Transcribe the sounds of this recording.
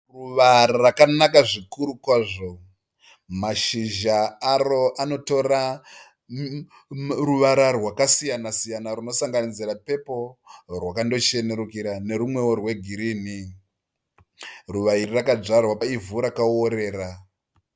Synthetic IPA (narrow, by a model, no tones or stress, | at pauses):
ruʋaɾarakanakaʐikuɾukwaːʐo̞ | maʃiʒaːro̞ʔano̞to̞ra | ruʋaɾarwakasijanasijanarino̞saŋɡanid͡zirape̞po̞rwakando̞t͡ʃe̞ne̞ɾukiɾane̞ɾumwe̞orwe̞ɡʱiɾiːni | ruʋairirakad͡ʐarwapaivuɾakaoɾe̞ːɾa